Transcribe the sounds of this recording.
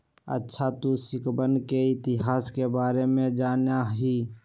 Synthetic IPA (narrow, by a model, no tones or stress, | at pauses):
ə̰tːʃʰat̪usɪkbənkeɪt̪ɪɦaːskebaːɾemẽd͡ʒaːnjaɦiː